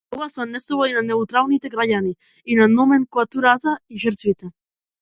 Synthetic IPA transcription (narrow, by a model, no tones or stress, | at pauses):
owasanːesewainaneut̪ɾawnit̪eɡɾajani | inanomenkwat̪uɾat̪aiʒeɾt̪it̪e